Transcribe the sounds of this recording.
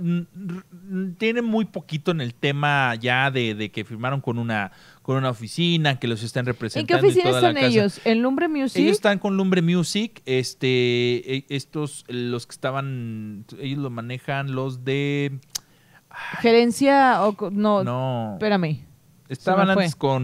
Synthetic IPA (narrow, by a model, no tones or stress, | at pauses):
n | t̪je̞nẽ̞nmujpo̞kit̪o̞ene̞lt̪e̞maʝaðe̞ðeke̞fiɾmaɾo̞ŋko̞nũna | ko̞nũnaofisinake̞los̬est̪anrepɾeseitkeonfisinaoasoanesʝosenlumbɾemjuseʝose̥st̪aŋko̞nlumbɾemjusikest̪eeest̪o̞slo̞ske̥st̪aβan | eʝo̞zlo̞mãne̞xanlo̞zðe | axe̞ɾe̞nsjaokononopeɾame | est̪aβanãneteskon